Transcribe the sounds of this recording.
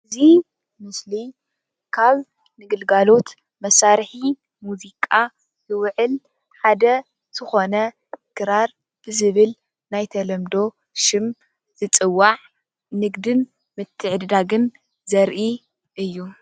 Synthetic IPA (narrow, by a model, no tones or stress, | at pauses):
ʔɨzi | mɨsli | kʰaβ | nɨɡɨlɡalo̞t̪ | mɐsaɾħi | muzikʼa | jɨwʕɨl | ħad̪ɐ | z̥ɨxo̞nɐ | kʰɨɾaɾ | b̥ɨzɨβɨl | najt̪ʰɐlɐmd̪o̞ | ʃɪm | z̥ɨt͡sʼɨwːaʕ | nɨɡd̪ɨn | mɨt̪ʰːɨʕd̪d̪aɡɨn | zɐɾʔi | ʔɨjːu